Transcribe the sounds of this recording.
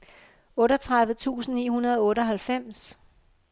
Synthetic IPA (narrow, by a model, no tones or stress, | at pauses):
ɔ̽ːɾɒt͡sʰʁɑ̈ðˠʋð̩ˠt͡sʰṵːsn̩nːḭːhunɐð̞ˠɔ̽ːɾəɒ̽ɦælfem̰s